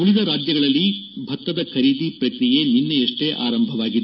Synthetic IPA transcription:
uɭid̪ɐɾaːd͡ʒjɐɡɐɭɐlːibʱɐt̪ːɐd̪ɐkʰɐɾiːd̪ipɾɐkɾije̞ninːeeʂʈe̞ʔa̰ːɾɐmbʱɐʋaːɡid̪e

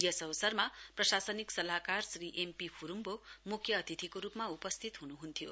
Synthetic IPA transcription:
ʌsʌbʌsʌrmaprʌsasʌniksʌlakarsriʔempipʰuɾumbomukʰjʌːt̪ʰit̪ʰikoɾupmaupʌst̪ʰit̪ɦunuɦunt̪ʰijo̰

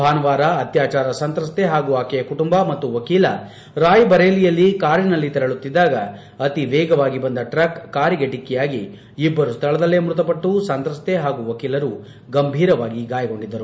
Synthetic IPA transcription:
bʱaːnɐʋaːɾɐɐt̪jaːt͡ʃaːɾɐsɐnt̪ɾɐst̪eɦaːɡuaːkɛjɐkuʈumbɐmɐt̪ːuʋɐkiːlɐ̰ | ɾaːjbɐɾeːlijɐlːikaːɾinɐlːit̪ɛɾɐɭut̪ːid̪ːaːɡɐ | ɐt̪iʋɛːɡɐʋaːɡibɐnd̪ɐʈɾɐkːaːɾiɡeʈikːɛjaːɡiː | bːɐɾust̪ʰɐɭɐd̪ɐlːeːmɾut̪̬ɐpɐʈːusɐnt̪ɾɐst̪eɦaːɡuʋɐkiːlɐɾu | ɡɐmbʱiːɾɐʋaːɡiɡaːjɐɡo̞ɳɖid̪ːɐɾu

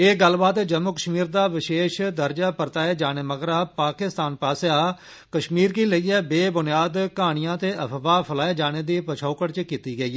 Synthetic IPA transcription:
eːɡəlbaːt̪d͡ʒəmːuːkəʃmiːɾd̪aːʋɪʃeːʃd̪əɾd͡ʒaːpəɾt̪aːeːd͡ʒaːɽ̃eːməɡɾaːpaːkɪst̪aːnpaːsjaː | kəʃmiːɾkiːləiːɛːbeːbʊnɪjaːd̪kaːɽ̃ɪjãːt̪eːʔəpʰʋaːpʰəlaːeːd͡ʒaːñeːd̪iːpət͡ʃʰaːkəɽt͡ʃkiːt̪iːɡəiː

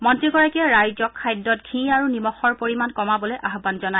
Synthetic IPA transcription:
mɔntɹiɡɔɹakɛɹajzɔkʰːajdːɔt̚ɡʰʱĩaɹunimɔxɔɹpoɹimankɔmabɔlejʔaɦbanzɔna

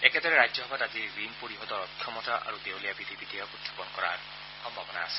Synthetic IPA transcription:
eket̪ɔɾeɾad͡ʒɔɦɔbat̪at̪iɡɾinpoɾiɦɔd̪ɔɾɔt̪̚kʰjɔmɔtaʔa̰ɾud̪ewlijabid̪ʱibid̪ʱiɔkut̪ʰːḁpɔnɔkɔɾa̰ɾ | xɔmbʱabɔna̰ːsi̥

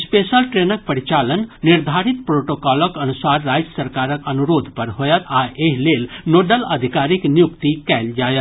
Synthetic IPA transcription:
spesəlʈɾenək̚pəɾit͡ʃalənːiɾd̪ʱaɾit̪pɾoʈoːkaːləkənusaːɾːaːjəsəɾkaːɾəkənuɾoːd̪ʱpɐɾɦojət̪aʔeɦleːlnoːɖələd̪ʱikaːɾiknjukt̪ikɛːld͡ʒaːjət̪

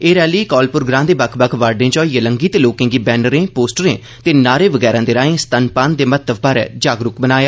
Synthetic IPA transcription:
eːɾɛːliːkɔːlpʊɾɡɾãːd̪eːbəkʰbəkʰʋaːɾɖẽːt͡ʃɔːiːeləŋɡiːt̪eloːkɪ̃ŋɡiːbɛːnəɾẽːpoːsʈəɾẽː | t̪eːnaːɾeːʋəɡɛːɾãːd̪eːɾaːẽːst̪ənpaːnd̪eːmət̪əʋbaːɾɛ̰ːd͡ʒaːɡɾʊkbənaːjaː

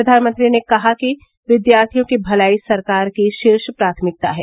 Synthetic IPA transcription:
ɐd̪ʱaːnmə̃nt̪ɾinekɐɦaki | ʋɪd̪jaːɾt̪ʰijõkibʱɐlaːisɐɾkaːɾkiʃɪɾʃpɾaːt̪ʰəmɪk̚t̪a̰ɦɛ̰ː

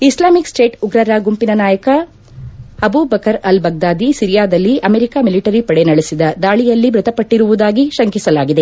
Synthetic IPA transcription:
islaːmiksʈeːʈuɡɾɐɾaːɡumpinɐnaːjɐkɐ | ɐbuːbɐkɐɾɐlbɐɡ̚d̪aːd̪isiɾijaːd̪ɐlːiʔɐmeɾikaːmiliʈɐɾipɐɽenɐɭesid̪ɐd̪aːɭijɐlːibɾut̪ɐpːɐʈːiɾuʋud̪aːɡiʃɐŋkisɐlaːɡid̪e̞

